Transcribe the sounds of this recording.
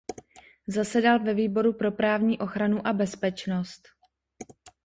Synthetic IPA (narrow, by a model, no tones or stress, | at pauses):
zasɛdalvɛviːbo̞ɾupɾo̞pɾaːvɲiːʔo̞xɾanuʔabɛspɛt͡ʃno̞st̪